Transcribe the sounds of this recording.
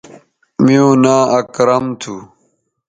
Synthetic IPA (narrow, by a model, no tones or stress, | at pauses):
miõːnaːɐkɾɐmt̪ʰuː